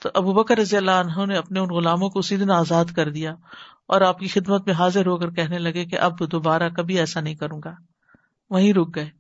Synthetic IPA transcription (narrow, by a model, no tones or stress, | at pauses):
t̪oʔɐbubɐkəɾːɐzijəlːaːənɦɐneɐpneʊnɣʊlaːmõkoʊsiːd̪ɪnaːzaːd̪kɐɾd̪ijaː | ɔ̰ːɾaːp̚kixɪd̪mət̪mẽɦaːzɪɾɦoːkəɾkɛɦnelɐɡekḛʔɐbd̪oːbaːɾakɐbʱiɛːsanɐɦĩkɐɾũːɡaː | ʋɐɦĩɾʊk̚ɡɐeː